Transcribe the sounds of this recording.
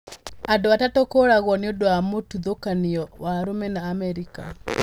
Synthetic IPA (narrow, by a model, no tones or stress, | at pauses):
adowatatɔkoɾaɣwɔnodoamotuðokanɪɔwaɾomɛnaːmɛɾika̰